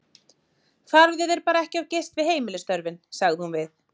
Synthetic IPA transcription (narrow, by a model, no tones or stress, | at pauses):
θaɾðɛðɛɾpaːɾaɛhcɪavcejst̪vɪðheːjmɪlɪst̪œɾvɪnsaɣðɪhunvɪθ